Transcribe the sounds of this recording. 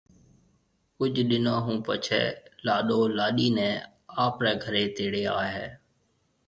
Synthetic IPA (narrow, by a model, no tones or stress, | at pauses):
kʊd͡ʒʱɗɪnãːɦũːpət͡ʃʰɛ̰ːlaːɗoːlaːɗiːnɛ̃ː | aːpɾɛːɡʱəɾeːt̪eːɽeːa̰ːɦɛ̰ː